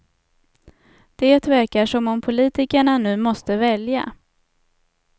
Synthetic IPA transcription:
d̪̥eːt̪væɾkaʂɔmɔmpʰʊliːt̪ɪkəɳanʉ̟ːmɔst̪əvɛlja̰

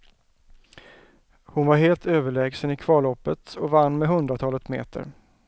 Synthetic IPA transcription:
hʊnvaɾɦeːlt̪øːvəɭɛːɡsənɪkʰvɑːɭɔpːət̪ɔvanːmɛɦɵnd̪ɾat̪ʰɑːlət̪mḛːt̪ʰə̰ɾ

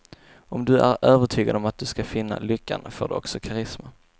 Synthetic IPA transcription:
ʔɔmd̪ɵæɾøːvəʈʰyːɡad̪ɔmat̪̚d̪ɵskafɪnːa̰lʏkːa̰nfoːɖɵɔ̰ksɔkʰaɾɪsma

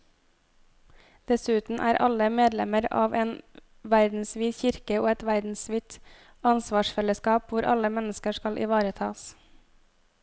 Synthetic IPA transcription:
d̪̥ɛsʉːt̪n̩ʔæ̰ːɾʔɑ̰ləmeːd̪lɛməɾɑ̰ːʋeːn | ʋæɾd̪n̩sʋiːçɪɾkəoːɛt̪ʋæɾd̪n̩sʋiːt̪ | ɑnsʋɑːʃfɛləskɑːpʋʊɾʔɑ̰ləmɛnəskəʃkɑlʔɪ̰ʋɑːɾət̪ʰɑːs

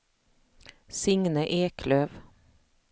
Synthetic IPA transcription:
sɪŋnəʔeːkʰløːʋ

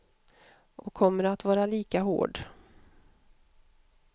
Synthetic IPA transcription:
ʔɔkʰːɔmːəɾat̪vɑːɾaliːkaɦo̰ːɖ

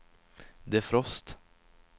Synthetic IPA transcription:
d̪ɛæfɾɔst̪

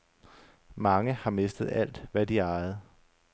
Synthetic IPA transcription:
mɑ̈ŋəhɑ̈me̝sd̥ð̩ˠæl̰d̥ʋæd̥iɑ̈ɪð̞̩ˠ

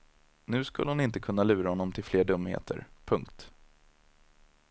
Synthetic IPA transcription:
nʉ̟ːskɵ̰lːəhʊnɪnt̪əkʰɵnːalʉ̟ːɾahɔnːɔmt̪ʰɪlfleːɖɵmːhḛːt̪ʰə̰ɾpʰɵŋkt̪

